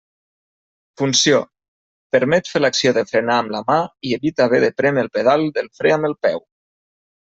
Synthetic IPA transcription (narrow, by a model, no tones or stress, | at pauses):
funsio | pəɾmɛt̪felaksioðəfɾenaːmləmaieβit̪aβ̞eðəpɾɛməlˠpeðalˠd̪əlˠfɾɛaməlˠpɛw